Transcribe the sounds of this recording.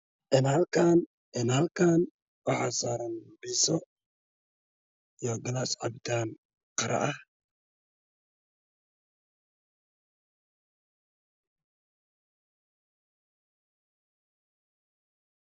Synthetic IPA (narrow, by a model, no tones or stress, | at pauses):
ʔɪnhɐlkʰaːn | ʔɪnhɐlkʰaːn | wɑħɑːsaːɾɐnbiːsɔ | jɔɡɐlasʕɑ̰bt̪ʰaːn | qɑɾɐ̰ʔɐh